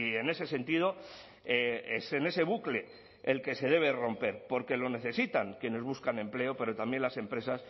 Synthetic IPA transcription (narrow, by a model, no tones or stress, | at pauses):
ie̞ne̞se̞se̞nt̪iðo̞ | eesene̞se̞β̞ukle̞ː | lkese̞ð̞e̞β̞e̞ro̞mpe̞ɾpo̞ɾke̞lo̞ne̞θe̞sit̪aŋkje̞ne̞zβuskanẽ̞mple̞ope̞ɾo̞t̪ambje̞nlase̞mpɾe̞sas